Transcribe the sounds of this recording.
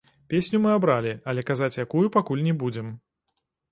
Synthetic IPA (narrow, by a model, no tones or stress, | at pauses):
pʲesʲnʲumɨabɾalʲiɐlʲɛkazat͡sʲjakujupakulʲnʲɛbud͡zʲɛm